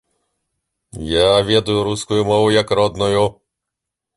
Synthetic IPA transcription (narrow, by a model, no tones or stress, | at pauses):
javʲɛd̪ʊjʊɾuskʊjumɔvʊjɐkɾɔd̪nɔju